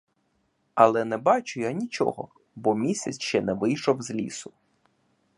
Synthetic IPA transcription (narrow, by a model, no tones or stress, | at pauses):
ɐlˠɛnɛbɑt͡ʃʊjanʲit͡ʃɔ̰ɦɔ̰ | bɔmʲisʲɐ̰t͡sʲʃt͡ʃɛnɛʋɪjʃɔwzʲlʲḭsʊ